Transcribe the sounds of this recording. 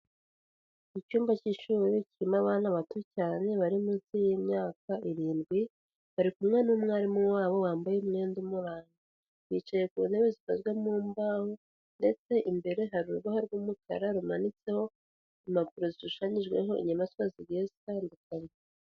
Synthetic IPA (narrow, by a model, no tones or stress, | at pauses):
icuːmbaciʃuɾiciimaβaːn̥aβatucaːne̞βaɾimuzijimɲaːkaʔiɾiːnɡwi | βaɾikumŋenumŋeaɾimuwaːβo̞waːmbajeumŋe̞ːndumuɾaːɲɡa | βiːt͡ʃaje̞kuunheβezifazɡwemuːmbaho | nde̞t͡se̞ʔimbe̞ɾe̞ɦaɾuɾɡahoɾɡuːmukʰa̰ɾaɾumanit͡se̞ho̞ | imakuɾozizuʃaɲiʒɡwe̞̰ɦo̞ḭɲamaswaziɡɡezikandikaɾi